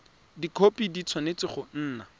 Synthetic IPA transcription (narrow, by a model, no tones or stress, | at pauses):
dikʰopidit͡sʰwanet͡sɪχʊn̩ːna